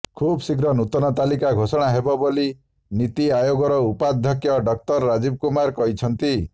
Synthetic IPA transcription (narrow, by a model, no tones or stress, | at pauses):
kʰubsikɾɔnut̪ɔnɔt̪alikaɡʱosɔɽ̃aɦebɔboli | nit̪iajoɡɔɾɔupad̪ʱːjɔkjɔɖɔk̚t̪ɔɾːad͡ʒib̚kumaɾkɔɦit͡ʃʰɔnt̪i